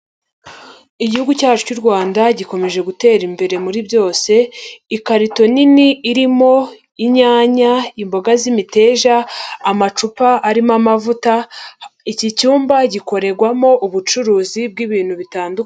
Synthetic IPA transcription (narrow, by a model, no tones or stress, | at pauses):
iɟihuɡucaːt͡ʃucuɾɡwaːndaɟiko̞me̞ʒe̞ɡute̞ːɾimbe̞ɾe̞muɾibjo̞ːse̞ikaɾito̞niniːɾimo̞ | iɲaːɲaimbo̞ɡazimite̞ːʒaːmat͡ʃupaʔaɾimamavuta | icicuːmbaɟiko̞ɾe̞ɾɡwamo̞ʔuβut͡ʃuɾuːzib̚ɡiβiːn̥huβitaːnduk